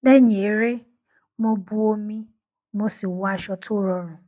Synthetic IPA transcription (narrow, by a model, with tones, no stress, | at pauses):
ne˦ɲe˨˦ɾe˦ | mo˦bu˦o˦mĩ˦ | mo˦si˨wa˦ʃɔ˦tʰʊ˦ɾɔ˨ɾʊ̃˨